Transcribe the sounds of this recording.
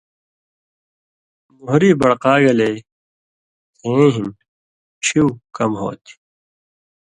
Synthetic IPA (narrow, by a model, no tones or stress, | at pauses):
muɦɾiːbɐɽqaːɡɐleː | ũɦun | t͡ɕʰiwkɐmɦo̰ːt̪ʰi̥